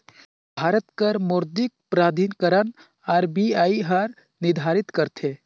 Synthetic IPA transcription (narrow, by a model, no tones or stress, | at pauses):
bʱaːɾət̪kəɾmʊɾd̪ik̚pɾaːd̪ʱinkəɾən | aːɾbiaːiɦəɾ | nɪd̪ʱaɾit̪kəɾt̪ʰe